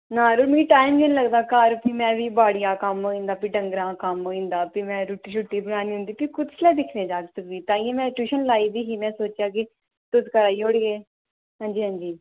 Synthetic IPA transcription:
nãːɾʊːʈmẽɡiːʈaːɪmd͡ʒẽnĩləɡd̪aːkaːɾpiːmɛ̃ːʋiːbaːɽijãːkəmɦoːĩːnd̪aːpiːɖə̃ŋɡɾãːkəmɦoːĩːnd̪aːpiːmɛ̃ːɾuʈːiːʃʊʈːiːbənaːnĩːɦʊ̃nd̪iːpikʊd̪slɛːd̪ɪkʰnẽːd͡ʒaːksəkʋiːt̪ãːiɛ̃ːmɛ̃ːʈuːʃənlaːiːd̪iːɦiːmɛ̃ːsoːt͡ʃjaːk̬ɪ | t̪ʊskəɾaːioɽɡeː | ɦãːɲd͡ʒiːɦãːɲd͡ʒiː

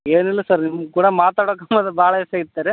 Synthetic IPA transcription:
eːnilːɐsɐɾnimːɐɡkuːɽɐmaːt̪aːɽokɐmɐd̪ɐbʱaːɭɐɛseit̪ːaːɾe

